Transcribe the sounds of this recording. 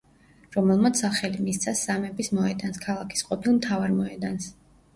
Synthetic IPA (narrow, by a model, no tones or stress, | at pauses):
ɾɔmɛlˠmat̪sʰaχɛlimist̪sʰasːamɛbismɔɛd̪anskʰalˠakʰi̥sqʼɔpʰilˠmt̪ʰavaɾmɔɛd̪ans